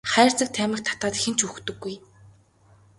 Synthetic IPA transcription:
χæːr̥t͡sə̆k̚t̪ʰæːmʲɪ̆xt̪ʰḁt̪aːt̪xĕn̥t͡ɕuxt̪ɵ̆ɡːuj

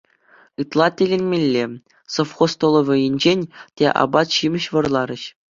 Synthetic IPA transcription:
ɯt̪lˠɑt̪ʲelʲenʲmʲelʲːe | sofχost̪olˠɤ̆ʋʲɤ̆jɘ̆nʲd͡ʑenʲtʲeʔɑ̰bɑt̪ɕimʲɘ̆ɕʋɤ̆rlˠɑɾʲɘ̆ɕ

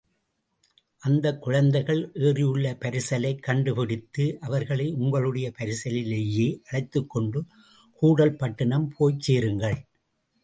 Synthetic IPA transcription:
ʔɐnd̪ɐkːʊɻɐnd̪ɐɪɣɐɭʔeːrɪjɯɭːɐpɐɾɪsɐlɐɪkːɐɳɖɯpɪɽɪt̪ːɯʔɐʋɐɾɣɐɭɐɪʊŋɡɐɭɯɽɐjɐpɐɾɪsɐlɪleːjeːʔɐɽɐɪt̪ːɯkːɔɳɖɯ | kuːɽɐlpɐʈːɐnɐmpʰoːjt͡ʃːeːɾɯŋɡɐɭ

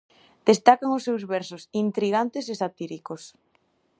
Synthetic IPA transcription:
d̪̥est̪akaŋosːewzβɛɾsʊsint̪ɾiɣ̞ant̪esesat̪iɾikos

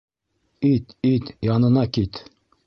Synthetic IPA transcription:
it̪it̪jɑnɤ̆nɑkʲit̪

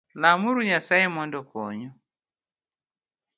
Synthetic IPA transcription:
lamuɾuɲasaimɔndɔkɔ̰ɲɔ

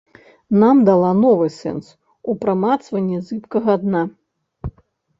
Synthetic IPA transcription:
namd̪alˠanɔvɨsɛ̰ns | upɾamat̪svɐnʲːɛzɨpkɐɣɐad̪na

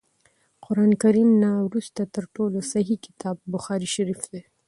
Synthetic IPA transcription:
qʊɾɑnkaɾimnawɾust̪at̪əɾʈolosaɦikɪ̥t̪ɑb̚ːʊxɑɾiʃaɾifd̪e

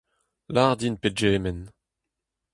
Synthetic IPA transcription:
laʁd̪inped͡ʒɛːmɛn

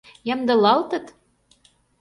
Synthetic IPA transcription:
jɑmd̪ɤ̆lɑlt̪ə̆t̪

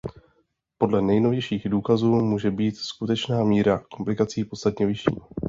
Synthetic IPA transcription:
po̞dlɛnɛjno̞vjɛjʃiːɣduːkazuːmuːʒɛbiːt̪skut̪ɛt͡ʃnaːmiːɾako̞mplɪkat͡siːpo̞tst̪at̪ɲɛvɪʃḭːm

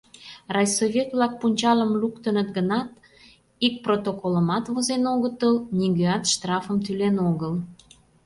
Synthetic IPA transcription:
rɑjsovʲet̪βlɑk̚punʲt͡ɕɑləmlukt̪ənət̪ɡənɑt̪ | ik̚prot̪okoləmɑt̪βozenoɣət̪əlnʲiɡøɑt̪ʃt̪rɑfəmt̪ylenoɣəl

